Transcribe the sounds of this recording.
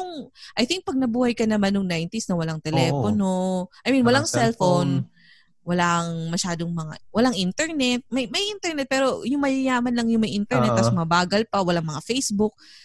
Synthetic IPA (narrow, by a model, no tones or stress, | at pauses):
nʊŋʔɐjθɪŋk̚pɐɡ̚nɐbuːhɐjkɐnɐmanːʊŋnajnt̪isnɐwɐlaŋt̪ɛlɛːponoʔɐjminwɐlaŋsɛlfon | wɐlaŋmɐʃaːd̪o̞ŋmɐŋa̰wɐlaŋʔint̪ɛɹnɛt̪̚mɐjmɐjʔint̪ɛɹnɛt̪̚pɛːɾo̞jʊŋmɐjɐjaːmɐnlɐŋjʊŋmɐjʔint̪ɛɹnɛt̪ːɐsmɐbaːɡɐlpɐwɐlaŋmɐŋafejsbʊk̚